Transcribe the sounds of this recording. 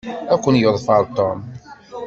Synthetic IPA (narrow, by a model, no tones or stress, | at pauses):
ækʷːənjəðˤfɑɾˤt̪ɔm